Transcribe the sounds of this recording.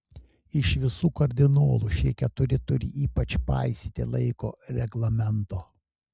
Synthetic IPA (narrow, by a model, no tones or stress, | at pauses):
ɪʃʋʲɪsuːkɐɾʲd̪ʲɪnoːlˠuʃʲiɛkʲɛt̪ʊɾʲɪt̪ʊɾʲɪ̰ʔiːpɐt͡ʃpɑ̰ɪsʲiːt̪ʲɪ̰lˠɐɪkoːɾʲɛɡlˠɐmʲɛnt̪oː